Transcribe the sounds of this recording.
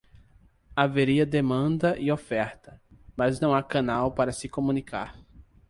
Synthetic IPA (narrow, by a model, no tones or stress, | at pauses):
aveɾiɐd̪emɐ̃nd̪ɐʔɪofɛɾt̪ɐmɐznɐ̃w̃akɐ̃nawpaɾɐsɪkomũnika̰ɾ